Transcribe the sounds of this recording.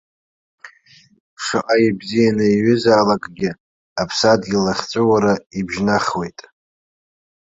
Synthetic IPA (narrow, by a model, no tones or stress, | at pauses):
ʂaʔʼaibzijanɨiɥʏzaːlakʼɡʲɪ | apʰsadɡʲilaχʲt͡sʷʼɨwaɾaibʒnaχʲwe̞jtʼ